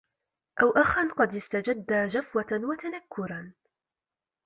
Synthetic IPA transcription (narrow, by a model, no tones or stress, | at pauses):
ʔawʔaxanqɑd̪ɪst̪ad͡ʒad̪ːaːd͡ʒafwawat̪anakːʊɾan